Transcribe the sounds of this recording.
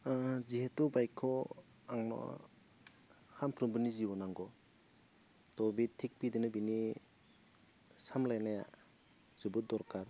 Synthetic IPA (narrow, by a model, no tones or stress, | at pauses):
zihetubajkʰːɔ | aŋnɔ̰ | hampʰɾumbɯnizibɔnaŋɡɔ | tɔbitʰːik̚pidɯnɯbini | samlajnaja̰ | zubut̚dɔɾkaɾ